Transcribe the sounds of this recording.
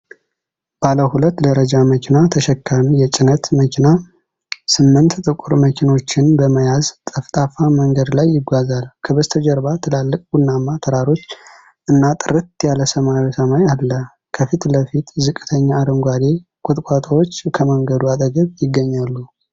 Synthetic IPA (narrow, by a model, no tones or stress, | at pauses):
b̥aləhulət̪ːd̪əɾəd͡ʒaməkʰinat̪ʰəʃɛkːamijɛt͡ʃʼɪnət̪məkʰina | sɨmːɨnt̪t̪ʼɨkʼuɾməkʰino̞t͡ʃːɪnbəməjazt̪ʼəft̪ʼafaməŋɡəd̪lajːɪɡʷazalkʰəbəzt̪ʰəd͡ʒəɾbat̪ʰɨlalːɨkʼbunnːamːat̪ʰəɾaɾo̞t͡ʃː | ʔɨnːat̪ʼɨɾɨt̪jaləsəmajosəmajalːə | kʰəfit̪ləfit̪zɨkʼːɨ̥t̪ʰəɲːaːd̪əŋɡʷad̪e̞kʼʊt̪ʼkʷʼat̪ʼəwo̞t͡ʃːkʰəməŋɡəd̪uat̪ʼəɡəβjɪɡːəɲːalːu